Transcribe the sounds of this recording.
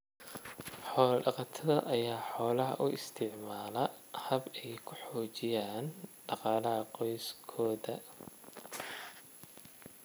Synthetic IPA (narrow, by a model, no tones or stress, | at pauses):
ħɔːlɐɖɑqɑt̪ʰɐðɐʔɐjaːħɔːlɐɦɐ̰ʔʊʔɪst̪ʰɪʕmaːlɐhɐbɛjkʰʊħɔːt͡ʃɪjaːnɖɑqɑːlɐɦɐqɔjskʰɔːðɐ